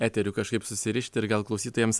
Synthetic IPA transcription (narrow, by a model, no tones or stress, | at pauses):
æːt̪ʲɛɾʲukɐʃkɐɪpsʊsʲɪɾʲɪʃʲt̪ʲɪɪɾɡɐlˠklˠɒʊsʲiːt̪oːjɛms